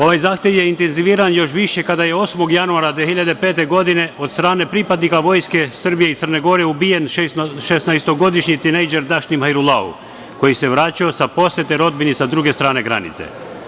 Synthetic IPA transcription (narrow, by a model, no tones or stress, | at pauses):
o̞ʋajzaːxt̪jeʋjeint̪enziʋiːɾanjo̞ʃ̬ʋiʃekad̪ajeosmo̞ɡjanuaɾad̪ʋeɦiʎad̪epeːt̪e̞ɡo̞d̪ineot̪st̪ɾaːne̞pɾipad̪nikaʋo̞jskesrbijeit̪sərneɡo̞ɾeubijenʃesnajst̪oɡo̞d̪iʃɲit̪inejd͡ʒeɾd̪aʃnimhajɾulˠaṵ | ko̞jiseʋɾaːt͡ɕaosapo̞set̪eɾo̞d̪̚binisad̪ɾuɡest̪ɾaːneɡɾa̰nḭt̪sḛ